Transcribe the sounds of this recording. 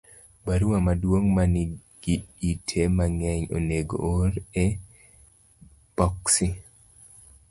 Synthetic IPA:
baɾuwamadwoŋmani | ɡ̥iitʰemaŋɛɲo̰neɡo̰oɾɛ | pɔksi

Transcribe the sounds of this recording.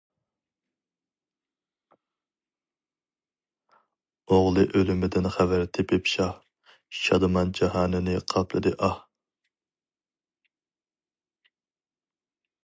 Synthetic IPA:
oʁlˠɨʔølymɪd̪ɪnχævæɾt̪ʰepɪpʃɑh | ʃɑd̪ɨmɑnd͡ʒɑɦɑːnɪnɪqʰɑpʰlˠɨd̪ɨʔɑh

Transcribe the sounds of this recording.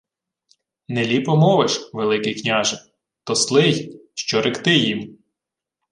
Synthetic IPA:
nelʲipɔmɔʋeʃʋelˠɪkɪjknʲaʒɪ | t̪ɔslˠɪjʃt͡ʃɔɾɪkt̪ɪjim

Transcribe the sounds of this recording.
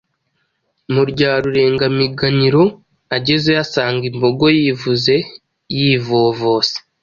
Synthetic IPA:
muɾɟaːɾuɾe̞ːŋɡamiɡaniɾo̞ | aɟe̞zejasaːŋɡimbo̞ɡo̞jivuze̞ | jivoːvoːse̥

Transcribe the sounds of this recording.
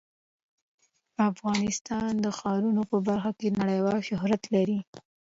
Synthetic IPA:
afɣɑnɪst̪ɑnd̪əxɑɾunopəbaɾxakenaɽəjwɑlʃʊhɾat̪laɾi

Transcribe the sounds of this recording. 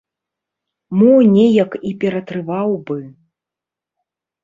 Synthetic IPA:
mɔnʲɛjɐkipʲɛɾɐt̪ɾɨvawbɨ

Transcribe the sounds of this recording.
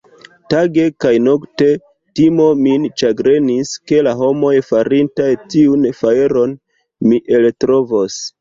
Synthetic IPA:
taɡe̞kajno̞kte̞ | timo̞mint͡ʃaɡɾe̞niske̞laɦo̞mo̞jfaɾintajtiunfaeɾo̞n | miʔe̞ltɾo̞vos

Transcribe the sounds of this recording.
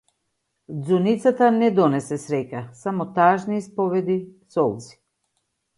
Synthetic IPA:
d̪zunit̪sat̪anɛd̪ɔnɛsɛsɾɛcasamɔt̪aʒniːspɔvɛd̪isɔlˠzi̥

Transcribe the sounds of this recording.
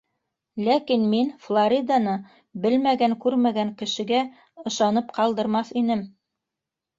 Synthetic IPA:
lækinminflˠoɾʲid̪anɤ | bɘlmæɡæŋkʉɾmæɡæŋkɘ̆ʃɘ̆ɡæ | ɤ̆ʃɑnɤpqɑlˠd̪ɤ̆ɾmɑθinɘm

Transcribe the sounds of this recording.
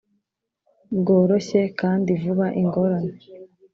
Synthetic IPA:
bɡo̞ːɾo̞ɕe̞kaːndivuβaʔiŋɡo̞ɾane

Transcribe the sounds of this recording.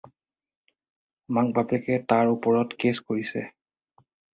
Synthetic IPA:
mak̚bapɛkɛtaɹupɔɹɔtkeskoɹisɛ̰

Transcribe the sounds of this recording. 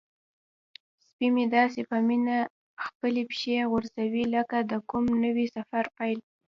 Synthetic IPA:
spimed̪ɑs̬epamina | xpəlepʃeɣʊɾzawiləkad̪əkʊmnəwisafaɾpajl

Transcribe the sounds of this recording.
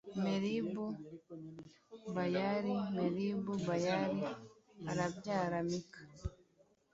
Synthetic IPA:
meɾibu | bajaɾimeɾibubajaɾiaɾabjaːɾamikḁ

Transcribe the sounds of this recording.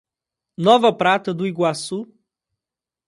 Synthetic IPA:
nɔvɐpɾat̪əd̪uiɡwasu

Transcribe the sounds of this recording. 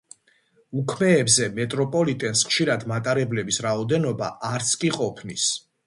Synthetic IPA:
ukʰmɛːbzɛmɛt̪ʼɾɔpʼɔlit̪ʼɛnsχʃiɾad̪mat̪ʼaɾɛblɛbisɾaɔd̪ɛnɔba̰ʔaɾt̪sʰkʼiqʼɔpʰnis

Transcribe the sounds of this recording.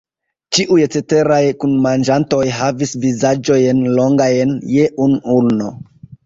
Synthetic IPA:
t͡ʃiʔujt͡sete̞ɾajkunmand͡ʒanto̞jɦavisvizad͡ʒo̞jnlo̞ŋɡajnjeʔunulno

